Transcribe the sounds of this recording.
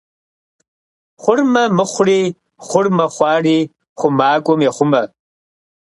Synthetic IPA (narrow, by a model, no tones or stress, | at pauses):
χʷʊrmɐmɨχʷriː | χʷʊrmɐχʷɑːriː | χʷʊmaːkʷʼɔmjeχʷʊmɐ